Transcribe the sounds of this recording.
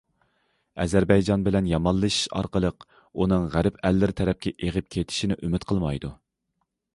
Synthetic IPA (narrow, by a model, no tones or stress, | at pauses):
ɛzæɾbɛjd͡ʒɑnbɪlɛnjɑmɑlˠːɨʃi̥ʃɑ̰ɾqəlˠəq | unɨŋʁæɾɪpɛlːɪɾt̪ʰɛɾɛp̚kʲʰɛʔeʁəp̚kʲʰet̪ʰɪ̥ʃinɪʔymɪt̪qʰəlˠmɑjd̪u